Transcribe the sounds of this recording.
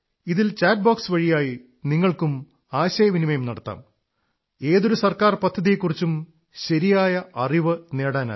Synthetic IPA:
iðilt͡ɕaːʈ̚baːksʋɐɻijaːji | niŋːɐɭkum | aːɕɐjɐʋinimɐjumnɐɽɐt̪ːa̰ːm | e̞ːðo̞ɾusɐrkaːrpɐd̪ʱːɐðijekːurit͡ɕːum | ɕɐɾijaːjɐʔɐriʋɨne̞ːɽaːna̰

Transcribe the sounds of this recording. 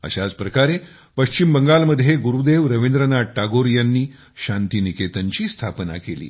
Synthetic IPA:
ə̰ɕad͡zpɾəkaɾe | pəɕt͡ɕimbəŋɡalməd̪ʱjeɡuɾud̪eʋɾəʋind̪ɾənaʈːaɡoɾijanːiː | ɕant̪iːniket̪əɲt͡ɕiːst̪ʰapna̰kelḭː

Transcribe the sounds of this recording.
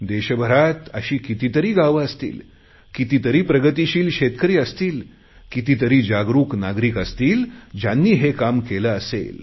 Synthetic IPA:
d̪eɕəbʱəɾat̪əɕiːkit̪it̪əɾiːɡaʋəəst̪ḭːl | kit̪it̪əɾiːpɾəɡət̪iɕiːlɕet̪kəɾiːəst̪iːl | kit̪it̪əɾiːd͡ʑaɡɾuːknaɡɾiːkəst̪iːld͡ʑjanːiːɦekamkeləəsḛl

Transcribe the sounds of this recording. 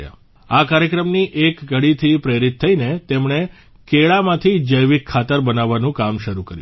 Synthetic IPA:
ja̰ | akaɾjəkɾəmniʔekɡəɽit̪ʰipɾeɾit̪ʰːəinet̪emɳe | keɭamãt̪ʰid͡ʒəjʋikʰːat̪əɾbənaʋːanũkamʃəɾukəɾjũ

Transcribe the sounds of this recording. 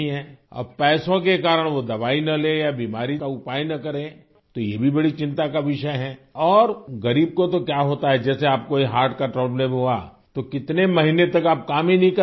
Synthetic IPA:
iɦɛ̃ɐ̰bpɛːsõkekaːɾəɽ̃ʋod̪ɐʋaːinɐlẽːjabiːmaːɾikaʊpaːjnɐkɐɾẽ | t̪ojebʱibɐɽit͡ʃɪ̃nt̪akaʋɪʃəɦɛːɔːɾɣɐɾiːb̚kot̪okjaːɦoːt̪aɦɛd͡ʒɛːseaːp̚koiɦaːɾʈkaʈɾɔːplẽbʱua̰ | t̪okɪt̪nemɐɦinet̪ɐkaːp̚kaːmɦĩnɐɦĩkɐ

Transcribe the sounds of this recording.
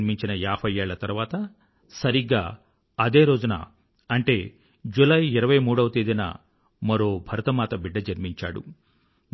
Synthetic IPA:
miɲt͡ʃinɐjaːbʰʱɐjeːɭɐt̪ɐɾʋaːt̪ɐ | sɐɾiɡa̰ː | ɐd̪e̞ːɾo̞ːd͡ʒunɐ̰ | ɐɳʈe̞ː | d͡ʒulɐjiɾɐʋɐjmuːɽɐʋɐt̪eːd̪inɐ̰ | mɐɾo̞ːbʱɐɾɐt̪ɐmaːt̪ɐbiɖːɐd͡ʒɐɾmiɲt͡ʃa̰ːɽṵ

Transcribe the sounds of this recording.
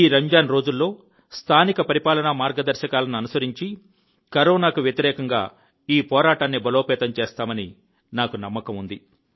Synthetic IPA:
iːɾɐɲd͡ʒaːnɾo̞ːd͡ʒulːo̞ː | st̪ʰaːnikɐpɐɾipaːlɐnɐmaːɾɡɐd̪ɐɾʃɐkaːlɐnuɐnusɐɾiɲt͡ʃi | kɐɾoːnaːkuʋjɐt̪iɾɛːkɐŋɡa̰ː | iːpɔːɾaːʈaːnːibɐlo̞ːpɛːt̪ɐmt͡ʃeːst̪aːmɐni | naːkunɐmːɐkɐmund̪i

